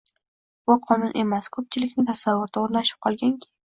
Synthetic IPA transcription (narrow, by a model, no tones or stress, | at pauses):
bʊqʰɒnʊnʔe̞maskʰɵp̚t͡ʃʰɪlɪkʲnɪt̪ʰasavːʊɾd̪aoɾlaʃɪ̥p̚qʰɒlˠɡʲaŋkʲʰe